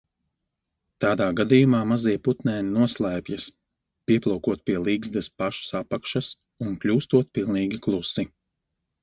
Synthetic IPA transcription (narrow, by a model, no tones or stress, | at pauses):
t̪aːd̪aːɡad̪ijumaːmazijput̪nʲɛːninuɔslˠaːpʲjɐs | pʲiɛplˠɔwkuɔt̪̚pʲiɛlˠiːɡzd̪ɛspaʃu̥sapːakʃas | unklʲuːst̪uɔt̪̚pilˠniːɡʲiklˠusːi